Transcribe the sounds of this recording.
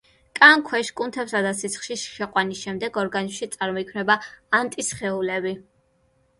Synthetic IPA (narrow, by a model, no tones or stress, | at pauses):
kʼaŋkʰwɛʃkʼunt̪ʰɛpsad̪asit̪sʰχʃiʃʃɛqʼwanisʃɛmd̪ɛɡɔɾɡanizmʃit̪sʼaɾmɔikʰmnɛbaːnt̪ʼisχɛulɛbi